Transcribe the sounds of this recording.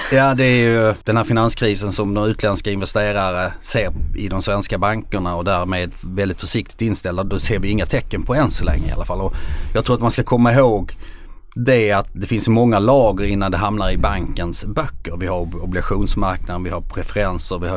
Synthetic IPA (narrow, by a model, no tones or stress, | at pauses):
jaːd̪ɛːɾjɵd̪̥ɛnhæːɾfɪnanskʰɾiːsənsɔmd̪ɔmʉ̟ːt̪lɛnskaɪnvɛst̪eːɾaɾəseːɾɪd̪ɔmsvɛnskabaŋkəɳaɔd̪æːɾmeːd̪vɛld̪ɪt̪fœʂɪk̚t̪ɪ̥k̚t̪ɪnst̪ɛld̪ad̪ɔseːɾvɪɪŋːat̪ʰɛkːənpʰɔɛnsɔlɛ̰ŋːɾəɪ̰a̰la̰falːɔjɑːɡt̪ʰɾuːɾat̪manskakʰɔmːaɪɦoːɡ | d̪ɛat̪̚d̪ɛfɪnsmɔŋːalɑːɡəɾɪnːand̪ɛɦamnaɾɪbaŋkənsbœkːəɾvɪhaɾɔblɪɡaɧuːnsmaɾknad̪ənvɪhaɾpʰɾɛfɛɾɛnsəɾvɪha